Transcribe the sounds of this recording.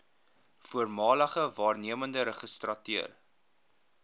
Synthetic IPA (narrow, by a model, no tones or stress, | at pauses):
fuərmɑːləχəvɑːrniəməndəɾəχəstrɐtyər